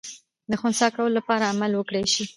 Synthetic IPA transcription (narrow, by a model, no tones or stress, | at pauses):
d̪əxʊnsɑkawəlolapɑɾaːmalwəkɽejʃi